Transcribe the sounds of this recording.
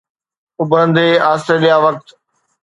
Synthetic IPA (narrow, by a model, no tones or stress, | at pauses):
ʊbʱəə̃nd̪eːaːsəlijaʋɐk̚t̪